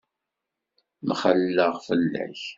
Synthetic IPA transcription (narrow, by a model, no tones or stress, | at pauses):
mχəlːəʁfəlːæ̰ç